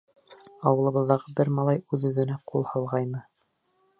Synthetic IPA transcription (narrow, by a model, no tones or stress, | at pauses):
ɑwɤ̆lˠɤ̆βɤ̆ðːɑʁɤbɘɾmɑlˠɑjʉðɵ̆ðɘ̆næqulˠhɑlˠʁɑjnɤ